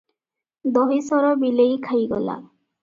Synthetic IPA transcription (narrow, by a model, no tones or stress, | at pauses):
d̪ɔɦisɔɾɔbilejkʰajɡɔ̰la̰